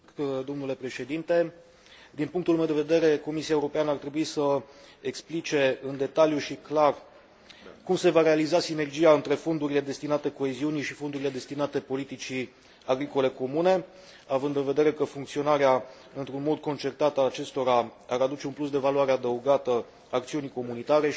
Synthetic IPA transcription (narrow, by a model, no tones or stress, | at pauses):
d̪o̞mnule̞pɾe̞ʃe̞d̪int̪e̞ | d̪inpuŋk̚t̪ulumed̪eved̪e̞ɾe̞ko̞misiaeuɾo̞peanəart̪ɾe̞buisə | eksplit͡ʃe̞ɨnd̪e̞t̪aljuʃiklar | kumse̞vaɾe̞alizasine̞rd͡ʒiaɨnt̪ɾe̞fo̞nd̪uɾile̞d̪e̞st̪inat̪e̞ko̞eziunijʃifo̞nd̪uɾile̞d̪e̞st̪inat̪e̞po̞lit̪it͡ʃi | aɡɾiko̞le̞ko̞mune̞ | avɨnd̪ɨnve̞d̪e̞ɾe̞kəfuŋkt̪sio̞naɾea | ɨnt̪ɾunmo̞d̪̚ko̞nt͡ʃe̞rt̪at̪əaat͡ʃe̞st̪o̞ɾaaɾad̪ut͡ʃe̞unplus̬d̪e̞valuaɾe̞ad̪əuɡat̪ə | ak̚t̪siunijko̞munit̪aɾe̞